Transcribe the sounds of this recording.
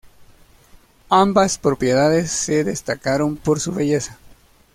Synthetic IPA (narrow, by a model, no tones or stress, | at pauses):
ambaspɾo̞pje̞ðaðe̞sːe̞ðe̞st̪akaɾo̞mpo̞ɾsuβe̞ʝe̞sa